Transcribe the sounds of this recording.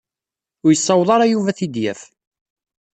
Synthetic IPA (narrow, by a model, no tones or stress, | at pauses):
ʊɾjəsˤːɑwðˤɑɾˤɑjuvæθid̪jæf